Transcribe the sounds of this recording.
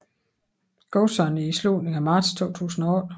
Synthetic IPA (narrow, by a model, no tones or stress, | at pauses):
ɡ̥osɒniislṵdneŋæmɑ̈ːd̥st͡sʰo̝̰ːt͡sʰṵːsn̩ɒɔ